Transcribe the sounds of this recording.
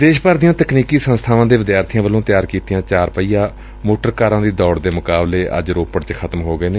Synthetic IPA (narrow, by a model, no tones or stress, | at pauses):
d̪eːʃpəɾd̪ɪjãːt̪əkniːkiːsənst̪ʰaːʋãːd̪eːʋɪd̪jaːɾt̪ʰɪjãːʋəlõːt̪ɪjaːɾkiːt̪ɪjãːt͡ʃaːɾpəiːjaː | moːʈəɾkaːɾãːd̪iːd̪ɔːɽd̪eːmʊkaːbleːʔə̰d͡ʒɾoːpəɽt͡ʃxʰət̪mɦoːɡəeːneː